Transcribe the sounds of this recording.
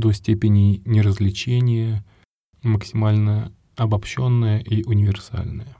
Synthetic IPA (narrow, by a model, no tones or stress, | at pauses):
d̪osʲtʲepʲɪnʲɪnʲɪɾəzʲlʲɪt͡ɕenʲɪjə | məksʲɪmalʲnə | ɐbɐpɕo̞nːəjəʔiʔʊnʲɪvʲɪrsa̰lʲnəjə